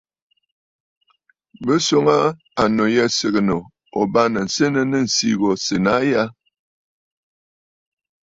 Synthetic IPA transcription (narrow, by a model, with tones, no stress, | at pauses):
bə˦so˦ŋa˦ | a˨no˨jɛ˦sə˨ɣə˨no˨ | o˨ba˦nə˨n̩˨se˦nə˦nə˦n̩˨si˦ɣɔ˨se˨na˦ja˦